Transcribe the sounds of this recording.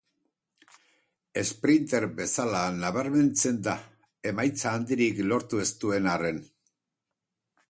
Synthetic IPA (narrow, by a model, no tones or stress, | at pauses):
e̞spɾint̪e̞ɾbe̞salanaβ̞aɾme̞nt͡se̞nd̪a | e̞majt͡saːnd̪iɾiklo̞ɾt̪ue̞st̪ue̞nare̞n